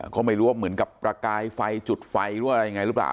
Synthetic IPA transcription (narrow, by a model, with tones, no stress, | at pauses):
kɔː˥˩ma˥˩jɾuː˦˥waː˥˩mɯ˩˦ənka˨˩ppːɾa˧kaː˧jfa˧jt͡ɕu˨˩t̪̚fa˧jɯ˦˥˩ʔɾa˧ja˧ŋa˧jɾɯ˦˥pla̰ː˨˩w